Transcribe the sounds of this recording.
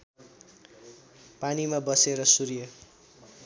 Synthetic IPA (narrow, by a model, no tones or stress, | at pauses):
panimabʌseɾʌsuɾijʌ